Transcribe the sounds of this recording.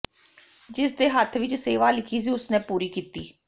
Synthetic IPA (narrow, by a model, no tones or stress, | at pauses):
d͡ʒɪsd̪eːɦət̪ʰʋɪt͡ʃseːʋaːlɪkʰiːs̬iːʊsnẽːpuːɾiːkiːt̪iː